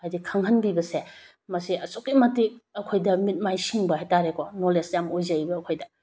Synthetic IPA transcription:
ajdikʰaŋhɐnbibɐse | mɐsiɐsokimɐtik̚ɐkʰojdɐmit̚majsiŋbɐhajtaɾekonolesjamojzajbɐːkʰojdɐ

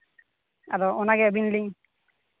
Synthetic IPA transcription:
a̰ɾɔɔnaɡɛbinliŋ

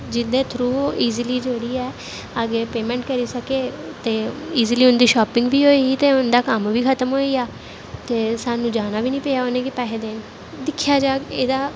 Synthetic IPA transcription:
d͡ʒɪd̪eːt̪ʰɾuːoːʔiːziliːd͡ʒeɽiːɛː | əɡeːpeːmɛ̃ːɳʈkəɾiːsəkeːt̪eːiːziliːʊnd̪iːʃɔːpɪ̃ŋɡbiːɦoːiːɡit̪eːʊnd̪aːkəmʋiːkʰət̪əmɦoːiːaː | t̪eːsaːnũːd͡ʒaːnaːbiːnĩːpeːjaːoːnẽːkɪpɛːɦed̪en | d̪ɪkʰːjaːd͡ʒaːeːd̪aː

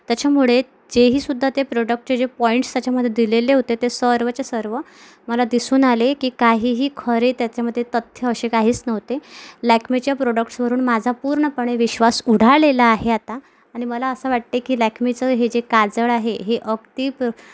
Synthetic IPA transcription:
t̪jat͡ɕʰamuɭe | d͡ʑeɦiːsud̪ʱːat̪epɾoɖək̚ʈ̚t͡ɕed͡ʑepɔiɳʈst̪jat͡ɕjaməd̪ʱːjed̪ileleɦot̪et̪esəɾʋət͡ɕesəɾʋə | məlad̪isuːnalekiːkaɦiːɦiːkʰəɾet̪jat͡ɕjaməd̪ʱjet̪ət̪ʰːjəəɕekaɦiːt͡snəʋt̪elækʰmit͡ɕjapɾoɖəkʈsʋəɾuːnmad͡zʱapuːɾɳəpəɳ̃eʋiɕʋasuɽ̤ʱaɭelaːɦeat̪aː | ɽ̃iməlaəsəʋaʈ̚t̪ekiːlækʰmit͡səɦed͡ʑekad͡zəɭaɦeɦeʔəɡt̪iːp

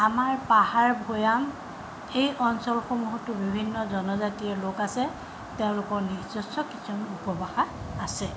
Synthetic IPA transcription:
amaɹpahaɹbʱojam | ejʔɔnsɔlxomuɦɔtːʊbibʱinːɔzɔnɔzatiɛɹlokasɛ | tɛʊ̃lʊkɔɹniɹzɔsɔkisʰɔnupɔbaxaː | sɛ

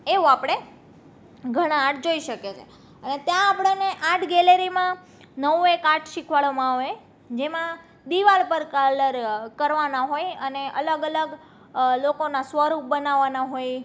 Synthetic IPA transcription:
eʋuapɽ̃e | ɡʱəɽ̃aːʈʰd͡ʒoiʃəket͡ʃʰḛ | ənet̪jãːpɽeneʔãʈʰɡɛleɾimã | nəʋuekaʈʰʃikʰʋaɭomãɦe | d͡ʒemã | d̪iʋalpəɾkələɾkəɾʋanaɦojəneʔələɡələɡ | lokonasʋəɾup̚bənaʋːanaɦoj

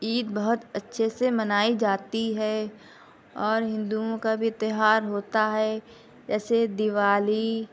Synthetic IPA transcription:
iːt̪bɐɦʊt̪ətːʃʰesemɐnaːid͡ʒaːt̪iɦɛ | ɔːɾɦɪ̃nd̪uõkabʱiɪt̪ɪɦaːɾɦoːt̪aɦɛ | d͡ʒɛːsed̪ɪʋaːli

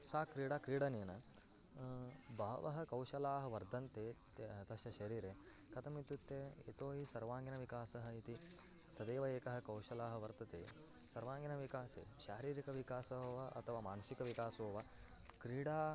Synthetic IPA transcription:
saːkɾiːɽaːkɾiːɽɐniːnɐ | bʱɐːʋɐɦɐkɐwʃɐlaːɦɐ̆ʋɐɾd̪ɐnt̪e | t̪ɐʃjɐʃɐɾiːɾe | kɐt̪ʰɐmit̪ut̪ːeḛːt̪oːɦisɐɾʋaːŋɡinɐʋikaːsɐɦɐit̪i | t̪ɐd̪eːʋɐeːkɐɦɐkɐwʃɐlaːɦɐʋɐɾt̪ɐt̪ḛː | sɐɾʋaːŋɡinɐʋikaːsḛːʃaːɾiːɾikɐʋikaːsɐʋɐʔɐ̰t̪ʰɐʋaːmaːnɐʃikɐʋikaːsoːʋa | kɾiːɽaː

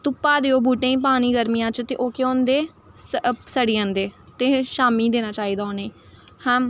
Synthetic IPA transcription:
t̪ʊpːaːd̪eːoːbuːʈẽːĩːp̬aːñiːɡəɾmijãːt͡ʃt̪eːʔoːkeõːnd̪eː | ssəɽiːə̃nd̪eːt̪eːʃaːmiːd̪eːnãːt͡ʃaːiːd̪aːoːneː | hã

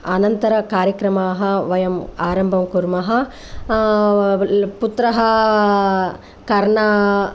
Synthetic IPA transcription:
ɐnɐnt̪ɐɾɐkaːɾjɐkɾɐmaːɦɐʋɐjɐmaːɾɐmbʱɐmkuɾmɐɦɐ | put̪ɾɐɦɐ | kɐɾɳɐ

